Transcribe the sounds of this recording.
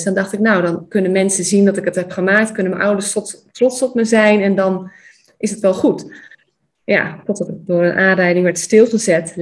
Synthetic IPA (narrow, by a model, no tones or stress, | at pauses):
sdɑndɑχtɪknawdɑnkɵnənmɛnsəzindɑtɪkətɦɛpχəmaːk̚tkɵnənməʔʌwdəɹstrɔtsɔpməzɛjnɛndɑn | ʔɪsətʋɛlˠχut | ja̰tɔtdɑtət̚dʊːrənʔaːnrɛjdɪŋʋɛɹtstɪlˠχəzɛt